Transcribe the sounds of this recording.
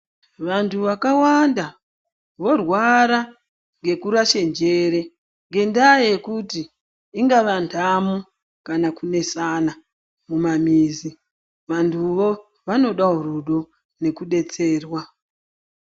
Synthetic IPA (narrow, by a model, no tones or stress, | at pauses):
ʋantʰuʋakawanda | ʋo̞rwaɾa | ŋɡe̞kuɾaʃe̞nd͡ʒe̞ɾe̞ | ŋɡe̞ndajekuti | iŋɡaʋantʰamu | kanakune̞sana | mumamiːzi | ʋantʰuʋo̞ | ʋano̞ɗauɾuɗo | ne̞kuɗe̞t͡se̞ːrwa